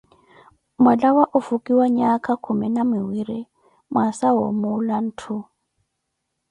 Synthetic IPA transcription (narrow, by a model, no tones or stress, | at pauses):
malawaʔʊfukʼiwaɲakʼakʰumɛnamɪwiɾi | mwasaɦo̰mʊlan̩ːtʰʊ